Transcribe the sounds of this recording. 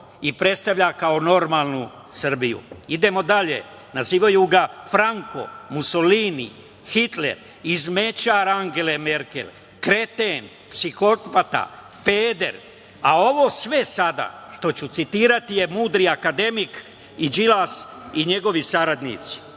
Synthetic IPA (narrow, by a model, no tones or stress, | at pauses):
ipɾe̞t̪st̪aʋʎakao̞no̞ɾmaːlˠnu | sr̩bijṵid̪e̞mo̞d̪aʎḛ | naziːʋajuɡafɾaŋko̞̰muso̞liːnḭ | xit̪lḛɾ | izme̞t͡ɕaːɾaŋɡe̞leme̞ɾke̞̰l | kɾe̞t̪en | psixot̪pat̪a̰ | peːd̪e̞ɾ | ao̞ʋo̞ːsʋe̞sad̪a̰ʃt̪o̞t͡ɕut̪sit̪iːɾat̪ije̞muːd̪ɾiakad̪e̞mik | id͡ʒilasiɲe̞ɡo̞ʋisaɾad̪nḭt̪si̥